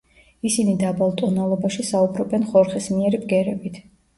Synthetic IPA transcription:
isinid̪abalˠt̪ʼɔnalˠɔbaʃisaubɾɔbɛnχɔɾχismiɛɾibɡɛɾɛbit̪ʰ

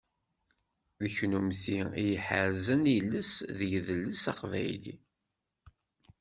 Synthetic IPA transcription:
ðəçnumθiijəħə̰ɾzənjəlːəsðəʝðəlːəsɑqvæ̰jlḭ

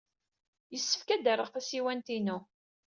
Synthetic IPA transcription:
jəsːə̥fkæd̪əɾˤəʁθæsiwænt̪inʊ

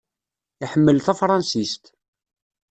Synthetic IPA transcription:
iħəmːəlθæfɾˤɑnsist̪

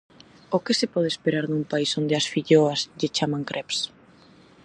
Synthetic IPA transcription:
ʊkɪsɪpɔð̞espeɾaɾnumpaisond̪eɐsfiʎoɐsʎet͡ʃamaŋkɾʔɛps

